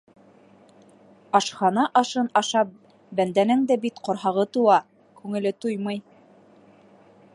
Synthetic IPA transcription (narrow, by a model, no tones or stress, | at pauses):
ɑʃχɑnɑʔɑʃɤnɑʃɑp̚ | bænd̪ænɘŋd̪æbit̪qŏɾɦɑʁɤt̪uwɑ | kʉŋɘ̆lɘt̪ujmɤj